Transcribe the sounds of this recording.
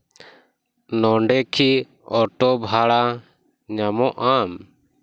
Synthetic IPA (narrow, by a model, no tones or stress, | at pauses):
nɔɳɖɛkʰi | ɔʈɔbʱaɽa | ɲamɔʔam